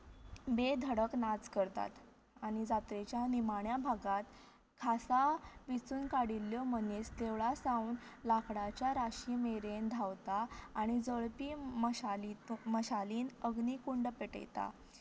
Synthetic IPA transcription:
bed̪ʱəɽəknat͡skəɾt̪a̰t̪ | aɽ̃id͡zat̪ɾet͡ɕjanimaɳjabʱaɡat̪ | kʰasaʋit͡suːnkaɽilːjɔmənest̪eʋɭasãunlakɽat͡ɕjaɾaɕiːmeɾend̪ʱawt̪aːɽ̃id͡zəɭpiːmɕaliməɕaliːnəɡniːkuɳɖpeʈḛjt̪a̰

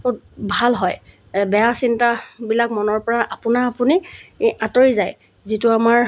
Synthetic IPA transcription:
otbʱalɦɔj | bɛjasintabilak̚mɔnɔɹpɔɹaʔapʊnaːpuniatoɹizaj | zituamaɹ

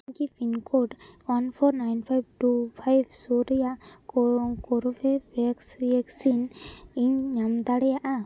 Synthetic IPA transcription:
ɲkipʰinkoʈwanpʰɔɾnajnpʰajb̚ʈupʰajbsuɾjakkɔɾubebɛksɛksiniɲɲamd̪aɽɛjaʔa

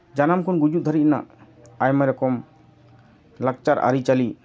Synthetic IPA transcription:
d͡ʒanamkɔnɡud͡ʒuʔ̚d̪ʱaɾiʔ̚na̰ʔ | ajmajɾɔkɔm | lak̚t͡ʃaɾʔa̰ɾit͡ʃali

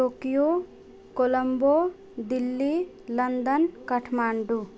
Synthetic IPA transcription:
oːkijo | koləmbo | d̪ilːi | lɐnd̪ənkɐʈʰmaːɳɖu

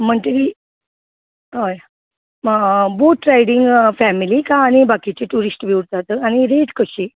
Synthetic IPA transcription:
m̤əɳt̪əɾi | ɦəj | boʈɾajɽiŋɡfɛmilikãːñibakit͡ɕeʈuɾisʈʋiwɾt̪at̪əañiɾeʈkəɕi

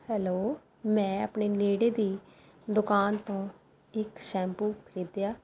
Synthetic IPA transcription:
hɛːloː | mɛ̃ːəpɳeːneːɽeːd̪iː | d̪ʊkaːnt̪õː | ɪkʃɛ̃ːmpuːkəɾiːd̪jaː

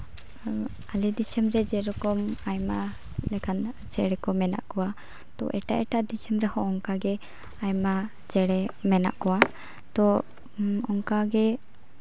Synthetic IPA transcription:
alɛd̪isəmɾɛd͡ʒɛɾɔkɔmajma | lɛkʰan | t͡ʃɛɽɛkɔmɛna̰ʔkɔwa | t̪ɔ̰ʔɛ̰ʈaʔɛʈaʔd̪isəmɾɛhɔ̃ːŋkaɡɛ | ajma | t͡ʃɛɽɛmɛna̰ʔkɔwa | t̪ɔ | ɔŋkaɡɛ

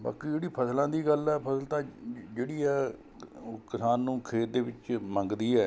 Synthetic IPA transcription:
ba̰ːkiːd͡ʒeːɽiːpʰəslãːd̪iːɡəlɛːpʰəsəlt̪ãːd͡ʒeːɽiːɛː | kɪsaːnːũːkʰeːt̪̚d̪eːʋɪt͡ʃmə̃ŋɡd̪iːɛː

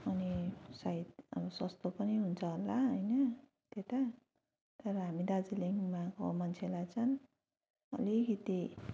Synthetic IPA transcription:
ʌnisajt̪ʌ̰bʌsʌst̪opʌniɦunt͡sʰʌɦolːaɦʌjnʌ | t̪et̪a | t̪ʌɾʌɦamid̪ad͡ziliŋɡmako̰mʌnt͡sʰelajt͡sʰʌn | ʌ̰likit̪i

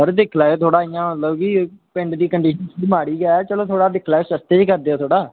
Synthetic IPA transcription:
əɾd̪ɪkʰlaːoːt̪ʰoːɽaːijãːmət̪ləbkipɪ̃ɳɖd̪iːkəɳɖiːʃənsmaːɽiːɡɛːɛːt͡ʃəloːt̪ʰoːɽaːd̪ɪkʰlaːoːsəst̪eːd͡ʒkəɾd̪eːoːt̪ʰoːɽaː

